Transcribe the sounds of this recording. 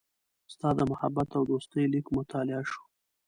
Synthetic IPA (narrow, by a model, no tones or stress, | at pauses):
st̪ɑd̪əmʊhabːat̪awd̪ost̪əjlikmʊt̪ɑlɪaʃu̥